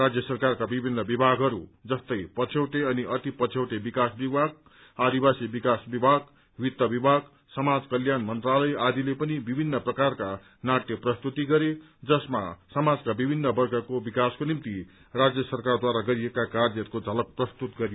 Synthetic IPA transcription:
rad͡zjʌsʌrkarkabibʱinːʌbibʱaɡɦʌɾud͡zʌst̪ʌjpʌt͡sʰewʈeʌniʔʌt̪ipʌt͡sʰewʈebikasbibʱaɡ̚ | ad̪ibasibikasbibʱaɡ | wit̪ːʌbibʱaɡ | sʌmad͡zkʌljanmʌnt̪ralʌjad̪ilepʌnibibʱinːʌprʌkarka | naʈjʌprʌst̪ut̪iɡʌɾe | d͡zʌsma̰sʌmad͡zkabibʱinːʌbʌrɡʰʌkobikaskonimt̪i | rad͡zjʌsʌrkard̪waɾaɡʌɾiekakardjʌt̪̚kod͡zʱʌlʌk̚prʌst̪ut̪ɡʌɾijo

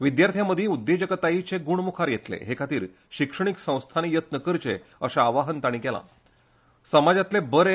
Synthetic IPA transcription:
ʋid̪jaɾt̪ʰjaməd̪ʱiud̪ːed͡ʑəkət̪ait͡ɕeɡuɳ̃mukʰaɾjet̪lḛɦekʰat̪iːɾ | ɕikʂəɳ̃iksə̃w̃st̪ʰanijət̪nəkəɾt͡ɕḛəɕaːʋaɦənt̪aɽ̃iːkɛla̰ | səmad͡zat̪lebəɾe

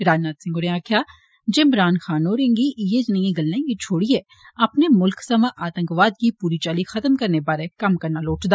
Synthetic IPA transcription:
ɾaːd͡ʒnaːt̪sɪ̃ŋɡoʊɾẽaːkʰjaː | d͡ʒɪmɾaːnxaːnoːɾẽŋɡijed͡ʒnə̃jĩɡɐlnẽŋɡit͡ʃʰoːɽiɦɛ | ɐpnemʊlksɐmaʔaːt̪ə̃ŋkʋaːd̪̚kipuːɾit͡ʃaːlixɐt̪əmkɐɾnebaːɾekɐmkɐɾnaloːʈd̪aː

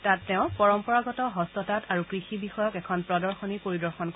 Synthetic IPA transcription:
tatːɛʊ̃pɔɹɔmpɔɹaɡɔtɔɦɔstɔtataɹukɹixibixɔjɔkɛkʰɔnpɹɔdɔɹxɔnipoɹidɔɹxɔnk

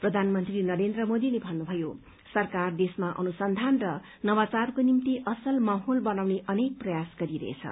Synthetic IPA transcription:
prʌd̪ʱanmʌnt̪rinʌɾend̪rʌmod̪ilebʱʌnːubʱʌjo | sʌrkard̪esmaʔʌ̰nusʌnd̪ʱanrʌ | nʌbat͡sarkonimt̪iʔʌsʌlmaɦolbʌnawneʔʌnek̚prʌjasɡʌɾiɾʌ̰ɦḛt͡sʰʌ̰

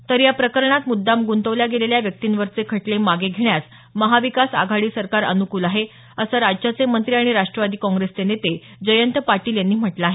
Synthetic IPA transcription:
t̪əɾjapɾəkəɾɳat̪mud̪ːamɡunt̪əʋljaɡeleljaʋjək̚t̪iːnʋəɾt͡sekʰəʈlemaɡeɡʱeɳjat͡s | məɦaʋikasa̰ɡʱaɽiːsəɾkaɾə̰nukuːlaɦe | əsəɾad͡ʑd͡ʑat͡semənt̪ɾiːaɽ̃iɾaʂʈɾəʋad̪iːkɔ̃ŋɡɾest̪enet̪e | d͡ʑəjənt̪paɾʈiːljanːiːm̤əʈlaːɦe

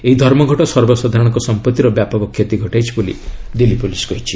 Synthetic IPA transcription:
eɦid̪ʱɔɾmɔɡʱɔʈɔsɔɾbɔsɔd̪ʱaɾɔɽ̃ŋkɔsɔmpɔt̪ːiɾɔbjapɔkɔkʰjet̪iɡʱɔʈajt͡ʃʰibolḭd̪ilipulisɡɔɦit͡ʃʰi̥

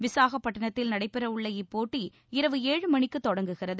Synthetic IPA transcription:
ʋɪsaːɣɐpːɐʈːɐɳɐt̪ːɪlnɐɽɐɪpːɪɾɐʊɭːɐjɪpːoːʈːi | ɪɾɐʋɯeːɻɯmɐɳɪkːɯt̪ːɔɽɐŋɡɯɣɪrɐðɯ

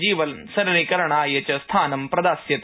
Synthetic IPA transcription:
d͡ʒiːʋɐlsɐɾɐɾikɐɾɐɳaːjɐt͡ʃɐst̪ʰaːnɐmpɾɐd̪aːsjɐt̪

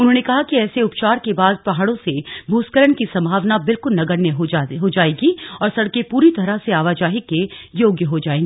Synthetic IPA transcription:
ʊnɦõːnekɐɦakiɛːseʊpt͡ʃaːɾkebaːd̪̚pɐɦaːɽõsebʱuːskəɾəɳkisɐ̃mbʱaːʋnabɪlkʊlnɐɡəɾneɦɦod͡ʒaːeːɡiɔːɾsɐɽkepuːɾit̪ɐɾaseaːʋaːd͡ʒaːɦikejoːɡjəɦod͡ʒaːeːŋɡː

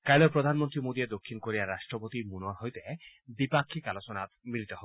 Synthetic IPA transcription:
kajlopɾod̪ʱanmont̪ɾimod̪ied̪okʰːinkoɾijaɾaʃʈɾopot̪imunoɾɦojt̪e | bipakʰːikalot͡ɕonat̪milit̪ɔɦɔb

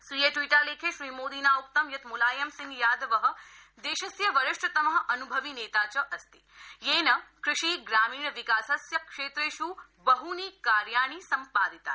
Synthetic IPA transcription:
sʋijeʈʋiːʈaleːkʰeʃɾiːmoːd̪iːnaːuk̚t̪ɐmjɐt̪mulaːjɐmsɪ̃ŋɡjaːd̪ʋɐɦɐ̆ | d̪eːʃɐsjɐʋɐɾɪʃʈɐt̪ɐmɐɦɐʔɐnubʱɐʋineːt̪aːt͡ʃɐʔɐst̪i̥ | jeːnɐkɾɪʃiːɡɾaːmiːɳʋikaːsɐsjɐkʂeːt̪ɾeːʃu | bɐɦuniːkaːɾjaːɳ̃iːsɐmpaːd̪it̪a̰ː

